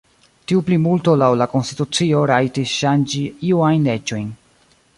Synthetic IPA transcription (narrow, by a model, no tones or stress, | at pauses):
tiuplimulto̞lawlako̞nstitut͡sio̞ɾajtisʃand͡ʒiiuajnle̞d͡ʒo̞jn